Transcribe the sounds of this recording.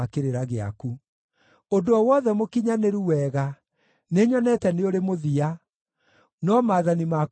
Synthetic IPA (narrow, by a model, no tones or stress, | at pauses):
akeɾeɾaɣea̰ku | ondoɔwɔðɛmokiɲaneɾuwɛːɣa | neɲɔnɛtɛneoɾemoðia | nɔmaːðanima